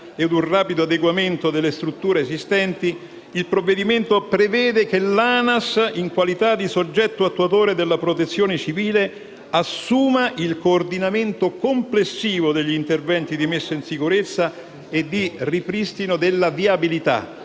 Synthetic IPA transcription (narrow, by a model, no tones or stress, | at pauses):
ed̪unraːpid̪oad̪eɡwament̪od̪elːest̪ɾut̪ːuːɾeːsist̪ɛnt̪i | ilpɾovːed̪iment̪opɾevɛːd̪ekelːanasiŋkwalit̪ad̪isod͡ʒːɛt̪ːoat̪ːuat̪oːɾed̪elːapɾot̪et̪sːjoːnet͡ʃiviːle | asːuːmaʔilkoːrd̪inament̪okomplesːiːvod̪eʎːint̪ervɛnt̪id̪imesːainsikuɾet̪sːa | ed̪ːiripɾist̪inod̪elːaviabilit̪a̰